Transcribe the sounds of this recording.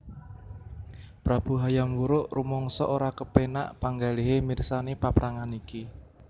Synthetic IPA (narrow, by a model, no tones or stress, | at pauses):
pɾab̥ṳɦajamwuɾʊʔrumɔŋsɔ̰ʔoɾakəpena̰ʔpaŋɡaliɦemirsanepapɾʔaŋaniki